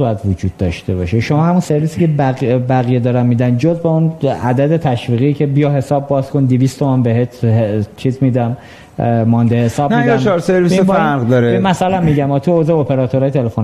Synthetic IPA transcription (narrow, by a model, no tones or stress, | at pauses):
ujæd̪vod͡ʒuːd̪̥̚ːɒʃt̪e̞bɒːʃeʃomɒːhæmunse̞ɾvisiceæbæɣijed̪ɒːɾæmːiːd̪ænd͡ʒozbeunæd̪æd̪e̞t̪ʰæʃviːɣicʰe̞bijɒɦe̞sɒːbːɒːz̥kʰond̪iviːst̪ʰomæmbeɦet̪ʰt͡ʃʰiːzmid̪æm | mɒnd̪ehesɒːbnid̪æmɒɾseɾvisbɾʁd̪ɒɾemæsɒlæmːiɟæmɒːt̪ʰuozeopʰeɾɒt̪ʰoɾɒːjt̪ʰelefon